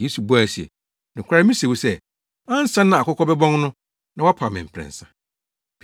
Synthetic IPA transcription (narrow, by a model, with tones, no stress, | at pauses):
je˦su˨bu˦a˨si˨ḛ˨ | nɪ̃˨kʰa˦mĩ˦se˨wu˦sɛ˦ | ã˦n̩˦sã˦nːã˨a˨kʰɔ˦kʰɔ˦bɛ˦bɔ̃˦ŋnʊ̃˦ | nã˨wa˦pʰa˨mɪ̃˨m̩˨pʰɾɛ̰̃˨n̩˨sã˨